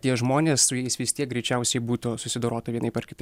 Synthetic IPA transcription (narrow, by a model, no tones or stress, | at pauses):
t̪ʲiɛʒmoːnʲeːsʊjɛɪsʋʲɪsʲt̪ʲiɛk̚ɡɾʲɛɪt͡ʃʲɛˑʊsʲɛɪbuːt̪osʊsʲɪd̪oːɾoːt̪ɐʋʲiɛnɐɪpʲɛɾrkʲɪt̪ɐɪ